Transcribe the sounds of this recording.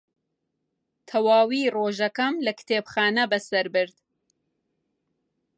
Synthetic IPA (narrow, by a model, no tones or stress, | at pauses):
t̪ʰɐwaːwiːroːʒɐkɐmlɐkt̪ʰeːbxaːnɐbɐsɐɾbɨɾd̪̥